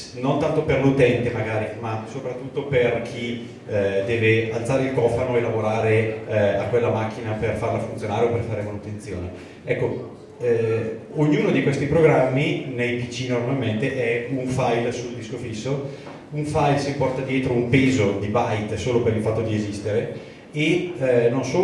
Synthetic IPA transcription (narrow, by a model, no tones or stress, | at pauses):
nont̪ant̪operlut̪ɛnt̪emaɡaːɾimasopɾat̪ːut̪ːoperk̟ʰi | d̪ɛːvealt̪saːɾeilkɔfanoelavoɾaːɾeakːwelːamak̟ːinaperfarlafunt̪sjonaːɾeoperfaːɾemanut̪ent̪sjoːne | ɛkːo | oɲːuːnod̪ikwest̪ipɾoɡɾamːinejpit͡ʃinormalment̪eʔɛuɱfajlsuld̪iskofisːo | uɱfajlsipɔrt̪ad̪jɛːt̪ɾoumpeːzod̪ibajt̪soːlopeɾilfat̪ːod̪iezist̪eɾe | enonsoː